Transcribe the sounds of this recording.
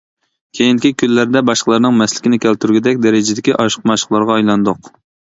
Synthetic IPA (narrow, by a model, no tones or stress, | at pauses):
kʲʰejind̪ɪkʲikʲʰylːæɾd̪ɛbɑʃqəlˠɑɾnɨŋmɛslɪkʲinɪkʲælt̪yɾɡʲɪd̪ɛk̚ʲd̪ɛɾɪd͡ʒɪd̪ɪkʲiʔɑʃqʰmɑʃqlˠɑɾʁɑːjlˠɑnd̪oq